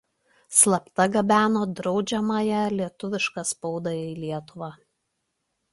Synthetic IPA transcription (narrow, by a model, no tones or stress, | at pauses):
slˠɐpt̪ɐɡɐbʲæːnoːd̪ɾɒʊd͡ʒʲɛmɐːjɛlʲiɛt̪ʊʋʲɪʃkɐspɔʊd̪ɐiːlʲiɛt̪ʊʋɑː